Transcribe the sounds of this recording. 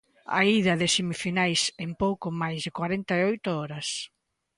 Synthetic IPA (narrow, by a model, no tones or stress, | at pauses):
a̰iðɐðɪsemifinajsempowkʊmajzðɪkwaɾent̪aeɔjt̪ʊɔɾɐs